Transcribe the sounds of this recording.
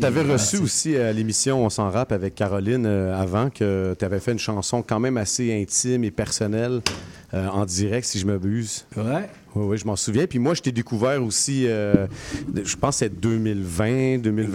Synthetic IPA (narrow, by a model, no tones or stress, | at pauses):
t̪yavɛʁəsyusiəlemisjɔ̃ɔ̃sɑ̃ʁapavɛkʰːaʁɔlɪnøavɑ̃kʰət̪yavɛfɛynʃɑ̃sɔ̃kɑ̃mɛ̃maseɛ̃t̪ɪmepɛʁsɔnɛl | øɑ̃d̪iʁɛk̚t̪siʒəmabyːzwɛ | wiwiʒəmɑ̃suvjɛ̃pɥimwaʒət̪ɛd̪ekuvɛːʁosiø | ʒəpɑ̃sːɛd̪ømɪlvɛ̃d̪øːmɪl